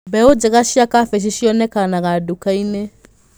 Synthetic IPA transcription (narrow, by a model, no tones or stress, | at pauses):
bɛod͡ʒɛɣaʃiakafɛʃ̬iʃiɔnɛkanaɣadokaine